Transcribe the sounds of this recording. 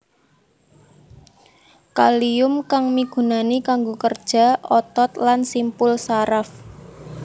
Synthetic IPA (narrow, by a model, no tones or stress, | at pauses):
kaliʊmkaŋmiɡ̥ṳnanikaŋɡokərd̥ʒ̥a̤ɔt̪ɔt̪lansimpʊlsaɾaf